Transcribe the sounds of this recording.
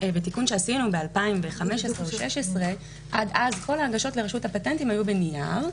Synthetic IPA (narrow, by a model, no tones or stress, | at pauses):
betikunʃeasinube̞alpaimveχame̞ʃesʁevoʃeʃesʁe̞ | ʔadazkʰo̞laːɡaʃo̞tle̞ʁaʃuthapatentimajube̞nija̰ʁ